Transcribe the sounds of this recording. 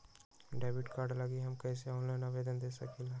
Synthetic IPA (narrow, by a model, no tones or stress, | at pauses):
ɖɛːbɪʈkaːɾɖlɐɡiɦɐmkɛːseɔːnlajnaʋeːd̪ənd̪eːsɐkilaː